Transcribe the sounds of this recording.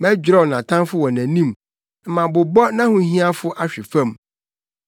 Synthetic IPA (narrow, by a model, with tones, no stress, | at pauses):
mæ̃˦d͡ʑᶣɾɛ˦wnã˨tʰã˦nfʊ˦wɔ̃˨næ̃˨nĩ˦m | m̩˨mã˨bʊ˨bɔ˦nã˦hʊ̃˨˦ɦĩ˦a˦fʊ˦ʔa˦ɕᶣɪ˨fã˦˨m